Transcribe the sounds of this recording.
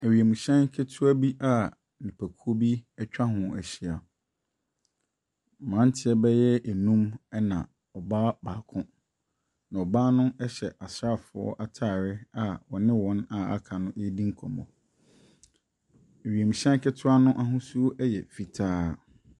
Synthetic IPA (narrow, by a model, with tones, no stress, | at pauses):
æ˨ɥi˨e˨mũ˨ɕɛ̃˦nkʰɪ˦tʰʊ˦a˦bi˦ʔa˦˨ | nɪ̃˨pʰæ˨kʰu˦o˦bi˦ɛ˦t͡ɕᶣa˦ɦʊ̃˨æ˨ɕi˨a˨ | mã˨˦n˦tʰɪ˦ɛ˦bɛ˦jɛ˦ʔe˨nũ˦mɛ˦nã̰˨ | ɔ˨baː˦baː˨kʰʊ̃˦ | nã˨ɔ˨baː˦nʊ̃˦ɛ˦ɕɛ˨ʔa˨sɾa˦˨fʊ˨ɔ̰˦ʔa˨tʰaː˦˨ɾɪ˦a˨wɔ˨nɪ̃˦wɔ̃˦na˨a̰˦kʰã˨nʊ̃˦e˦dĩ˦ŋ̩˦kʰɔ˨mɔ̰̃˨ | æ˨ɥi˨æ˨mũ˨ɕɛ̃˦ŋ˦kʰɪ˦tʰʊ˦a˦nʊ̃˦ʔa˦ɦʊ̃˦su˦o˦ʔɛ˦jɛ̰˨fi˨tʰaː˦